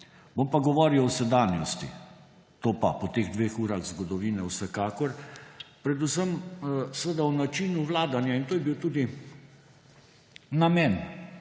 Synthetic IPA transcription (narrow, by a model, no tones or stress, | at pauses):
bompaɡɔʋɔːɾiwɔsɛd̪aːnjɔst̪ḭ | t̪oːpa̰pɔt̪eɣd̪ʋeːxuːɾaɣzɡɔd̪ɔʋiːnɛwsɛkaːkɔɾpɾɛd̪usəmsəʋəd̪awnat͡ʃiːnuʋlaːd̪anjaint̪oːjɛbiwt̪uːd̪i | namɛn